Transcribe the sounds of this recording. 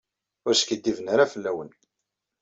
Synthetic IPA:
ʊɾskid̪ːivənəɾæfəlːæwən

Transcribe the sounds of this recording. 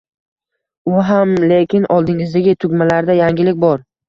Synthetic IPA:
ʊɦamle̞kʲʰɪnʔɒlˠd̪ɪŋɪzd̪aɡʲɪt̪ʰʊɡʲmalaɾd̪ajaŋɡʲɪlɪkʲbɒɾ

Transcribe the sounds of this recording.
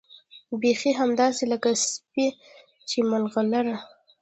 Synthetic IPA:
bexiɦamd̪ɑseləkaspe | t͡ʃemalɣalaɾa

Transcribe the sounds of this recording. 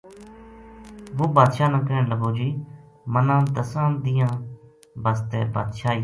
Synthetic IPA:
ʋoːbaːd̪ʃaːnãːkəɾenləɡoːd͡ʒiː | mənãːd̪əsãːd̪ɪjãː | bəst̪ḛːba̰ːd̪ʃaːiː

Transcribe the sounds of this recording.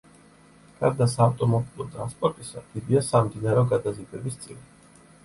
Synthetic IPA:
ɡ̥ʰaɾd̪asaːft̪ʼɔmɔbilˠɔt̪ʼɾanspʼɔɾt̪ʼisa̰d̪̥id̪iasamd̪inaɾɛɔɡad̪azibɛbist̪sʼḭli

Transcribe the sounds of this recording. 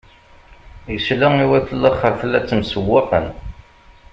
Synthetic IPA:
jəslæŋiwæθəlːəχːəɾfəlːæt͡sːmsəwːaqə̰n

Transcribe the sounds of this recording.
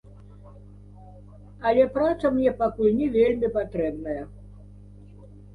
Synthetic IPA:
ɐlʲɛpɾat̪sɐmnʲɛpakulʲnʲɛvʲelʲmʲipat̪ɾɛbnɐjɐ

